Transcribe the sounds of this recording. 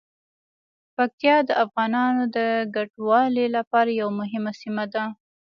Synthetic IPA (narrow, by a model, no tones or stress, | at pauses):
pak̚t̪jɑd̪əʔafɣɑnɑnod̪əɡaʈwɑlelapɑɾajawamʊɦɪmasimad̪a